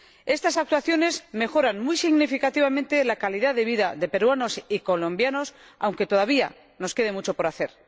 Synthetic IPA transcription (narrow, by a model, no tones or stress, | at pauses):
e̞st̪asak̚t̪waθjo̞ne̞zme̞xo̞ɾanmujsiɣnifikat̪iβamẽ̞nt̪e̞lakaliðaðe̞βiðaðe̞pe̞ɾwano̞siko̞lõ̞mbjano̞s | a̰wŋke̞t̪o̞ðaβ̞ia̰ | no̞ske̞ð̞e̞mut͡ʃo̞po̞ɾaθe̞ɾ